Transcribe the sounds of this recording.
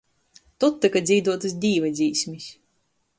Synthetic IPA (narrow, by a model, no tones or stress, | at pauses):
t̪ut̪ːɨkad̪ziːd̪uɔt̪ɨsd̪ʲiːvad̪zʲiːsʲmʲisʲ